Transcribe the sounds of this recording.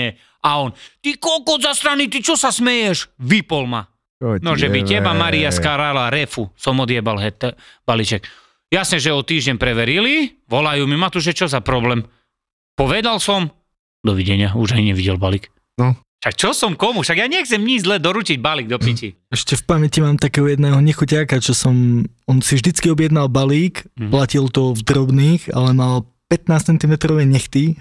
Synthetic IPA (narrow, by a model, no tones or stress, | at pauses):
ɛ | aɔnt̪ikɔlkɔzast̪ɾanit̪it͡ʃɔsasmɛjɛʃʋipɔlma | nɔʒɛbitɛbamaɾiaskaɾalaɾɛfusɔmɔd̪jɛbalɦɛt̪ːɛb̥alit͡ʃɛk | jasɲɛʒɛɔt̪iːʒɟɛnpɾɛʋɛɾili | ʋɔlajumimat̪uʒɛt͡ʃɔzapɾɔblɛm | pɔʋɛd̪alsɔm | d̪ɔʋiɟɛɲɪauʒajɲɛʋiɟɛlbalik | nɔ | ʃak̚t͡ʃɔsɔmkɔmuʃaɡjaɲɛxt͡sɛmɲid͡ʒzlɛd̪ɔɾuciɟbaliɡd̪ɔpici | ɛʃcɛfpamɛcimaːmt̪akɛːɦɔjɛd̪nɛːɦɔɲɛxucaːkat͡ʃɔsɔm | ɔnsivʒd̪it͡skiɔbjɛd̪nalbaliːkplacilt̪ɔvd̪ɾɔbniːxa̰lɛmal | pɛt̪naːst͡sɛnt̪imɛt̪ɾɔʋɛɲɛxt̪i